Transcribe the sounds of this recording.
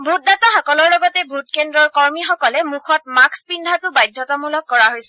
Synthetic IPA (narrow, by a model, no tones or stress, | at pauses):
bʱut̚dataxɔkɔlɔɹlɔɡɔtɛbʱut̚kendɹɔɹkɔɹmixɔkɔlɛmukʰɔt̚makspindʱatʊbajdʱːɔtɔmulɔkːɔɹaɦojsɛ